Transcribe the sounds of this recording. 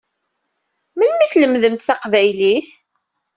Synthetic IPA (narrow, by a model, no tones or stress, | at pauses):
məlmiθləmðəmt̪θæqvæjliθ